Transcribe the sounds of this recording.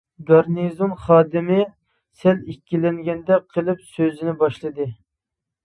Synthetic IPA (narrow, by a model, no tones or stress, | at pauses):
ɡɑɾnizonχɑːd̪ɪmɪ | sɛlikʲːilɛŋɡʲɛnd̪ɛqʰəlˠɨpsøzɪnɪbɑʃlˠɨd̪ɨ